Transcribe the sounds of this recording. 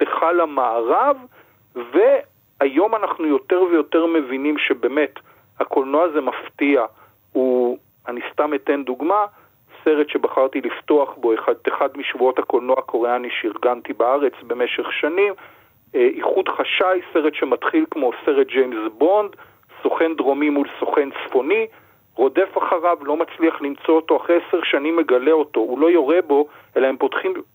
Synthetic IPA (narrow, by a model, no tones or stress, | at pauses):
teχalamaːʁav | ve̞ | ajo̞manaχnujo̞te̞ʁvejo̞te̞ʁme̞vinimʃe̞beːme̞t | hakolnoazemaftia | u | anist̪amete̞nduɡma | se̞ʁetʃe̞baχaʁt̪ilifto̞aχbo̞eχadeχadmiʃvuo̞thako̞lnoako̞ʁeaniʃeiʁɡant̪ibaaʁe̞t͡sbe̞me̞ʃe̞χʃanim | ʔiχud̪χaʃajse̞ʁetʃe̞mat̪χilkmo̞se̞ʁet̚d͡ʒejmzbo̞nd̪ | so̞χe̞nd̪ʁo̞mimulso̞χe̞nt͡sfo̞ni | ʁo̞de̞faχaʁavlo̞mat͡sliaχlimt͡so̞ot̪o̞aχʁejeseʁʃanimːe̞ɡale̞o̞to̞ulo̞jo̞ʁebo̞ | e̞lae̞mpo̞tχim